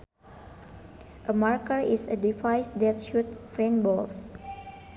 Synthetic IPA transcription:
ʔəmaɹkəɹisə̰difajsdɛt̚ʃut̚fɹẽnbɔls

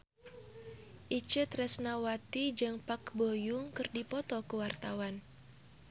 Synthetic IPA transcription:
ʔit͡ʃət̪rɛsnawat̪id͡ʒɨŋpakbojuŋkɨrdipɔt̪ɔkəwart̪awan

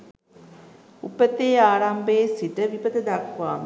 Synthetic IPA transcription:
upət̪eːaːɾambeːsiʈəʋipəd̪əd̪akʋaːm

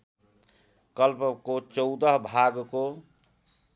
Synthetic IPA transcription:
kəlpkot͡ʃəʊd̪əɦbʱaɡko

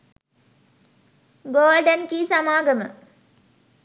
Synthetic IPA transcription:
ɡoːlɖənkiːsamaːɡəmə̰

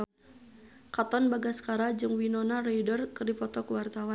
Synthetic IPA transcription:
kat̪ɔnbaɡaskaɾad͡ʒɨŋwinɔnareidɔrkɨrdipɔt̪ɔkwart̪awa

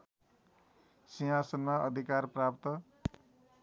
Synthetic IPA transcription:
siɦasʌnmaʔʌd̪ʱikarprap̚t̪ʌ

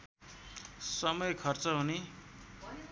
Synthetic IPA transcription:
sʌmʌjkʰʌrt͡sʌɦune

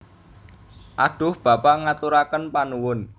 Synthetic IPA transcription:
ʔaɖ̥ʊ̤hb̥a̤paŋat̪uɾakənpanuwʊn

